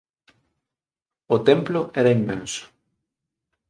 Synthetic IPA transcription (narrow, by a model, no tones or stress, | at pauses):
ot̪ɛmplʊʔɛɾɐimːɛ̰̃nsʊ̥